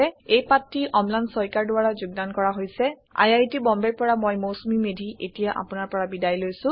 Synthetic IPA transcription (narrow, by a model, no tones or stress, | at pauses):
ɛejpatːiʔɔmlansɔjkaɹdʊwaɹazʊɡdankɔɹaɦojsɛ | a̰jajtibɔmbeɹpɔɹamojmowsmimedʱiʔetijaʔa̰pʊnaɹpɔɹabidajlojsʊ̃